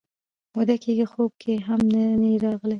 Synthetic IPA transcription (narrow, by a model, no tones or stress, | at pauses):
mod̪akeɡixob̚kʰeɦamnaneɾɑɣəlaj